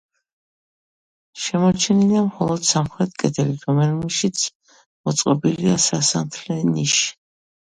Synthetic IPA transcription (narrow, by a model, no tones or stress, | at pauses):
ʃɛmɔt͡ʃʰɛniliamχɔlˠɔd̪̥samχɾɛt̪̚kʼɛt̪ʰɛliɾɔmɛnumiʃit̪sʰ | mɔt̪sʼqʼɔbiliasasamt̪ʰlɛniʃ